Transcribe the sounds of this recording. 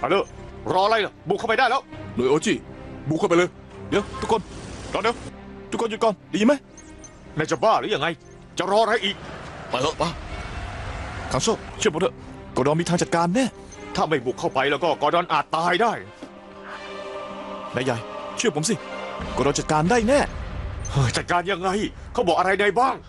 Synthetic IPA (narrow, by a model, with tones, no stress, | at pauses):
ʔa̰˨˧˩lɤː˧˩ɾɔː˧ʔa˧ɾa˧jla˧˩buː˨˩kʰa˥˩pa˧da˥˩jlɛː˦˥wnoː˨˧˩jʔoː˧t͡ɕiː˥˩bu˨˩kʰːa˥˩pa˧lːj | di˨˦wt̪ʰu˦˥kʰo˧ndɔː˧ndiː˨˧˦wt̪ʰu˦˥kʰːo˧ju˨t̚kɔː˧˩ndi˧˨iː˧ma˦˥j | naː˧˩t͡ɕa˨˩baː˥˩lɛː˨˦˥ja˧ŋa˧j | t͡ɕa˨˩ɾɔː˧ʔa˧ɾa˧jʔiː˨˩k̚pa˧˩lɤ˧˥paː˧˥˩ | kʰa˧˦ŋsoː˥˩t͡ɕʰpo˨˦t̪ʰɤ˧˩kɔː˧˩dɔː˧miː˧t̪ʰa˧t͡ɕa˨˩t̪̚kaː˧nːɛː˥˩ | t̪ʰaː˥˩ma˥˩jbuː˨˩kʰːa˥˩wpa˧jlɛː˦˩wkɔː˥˩kɔː˧˩dɔː˧nʔaː˨˩t̪ːaː˧jdaː˥˩j | na˧ja˨˩jt͡ɕʰɯ˥˩ɐpʰo˨˦ms̬i˧˩kɔː˧˩ɾɔː˧ŋt͡ɕa˨˩t̪̚kaː˧ndaː˥˩nɛː˥˩hɤː˧˩t͡ɕa˨˩t̪̚kaː˧nja˧ŋːa˧j | kʰaː˦˥˩wbɔː˨˩k̚a˧ɾa˧jna˧jbaː˥˩ŋ